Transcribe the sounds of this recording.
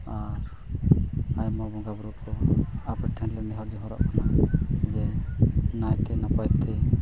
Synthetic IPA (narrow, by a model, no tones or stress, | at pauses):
aɾ | ajmɔbɔɡabɾɔkɔapɾɛʈʰɛɳlɛnɛɦɔɾd͡ʒiɦɔɾɔ̰ʔkʰanad͡ʒɛnajt̪ɛnapajt̪ʰɛ